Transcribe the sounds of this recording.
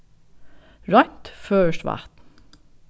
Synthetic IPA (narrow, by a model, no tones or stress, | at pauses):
ɹɑɪt̪føːʃʋɑ̰t̪n̩